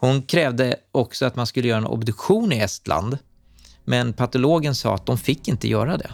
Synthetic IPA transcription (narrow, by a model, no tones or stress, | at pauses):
hʊnkʰɾɛːvd̪əɔksɔat̪manskɵlːəjœːɾaɛnʔɔ̰bd̪ɵkɧuːnɪɛst̪lʔa̰nd̪ | mɛnpʰat̪ʊloːɡənsɑ̰ːat̪̚d̪ɔmfɪkːɪnt̪əjœːɾad̪ɛ̰